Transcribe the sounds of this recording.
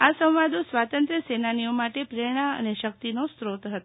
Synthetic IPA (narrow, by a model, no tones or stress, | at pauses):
asə̃w̃ʋad̪ʱõsʋat̪ənt̪ɾəsenanijomaʈepɾeɽ̃aə̰neʃək̚t̪inost̪ɾot̪ɦət̪o